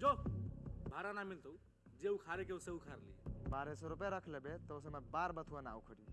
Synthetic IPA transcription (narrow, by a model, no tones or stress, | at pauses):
d͡ʒo | bʱaɾanamilt̪əw | d͡ʒeukʰaɾekeuseukʰaɾlḭbaɾesɔɾupjaɾəkʰlebet̪ɔus̬əmebaɾbət̪ʰuənaukʰoɾi